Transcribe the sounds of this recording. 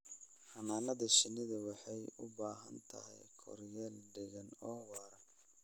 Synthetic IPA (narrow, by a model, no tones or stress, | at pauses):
ħɑnaːnɐðɐʃɪnɪðɐwɑħɑjʊbaːɦɐ̰nt̪ʰɐ̰ɦɛ̰jkʰɔ̰rjɛːlɖɪɣɐnɔːwɑːɾɐ